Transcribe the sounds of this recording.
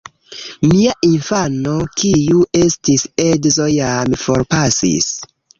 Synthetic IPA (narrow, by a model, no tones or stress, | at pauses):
miaʔinfano̞kijuʔe̞stisedzojamfoɾpasḭs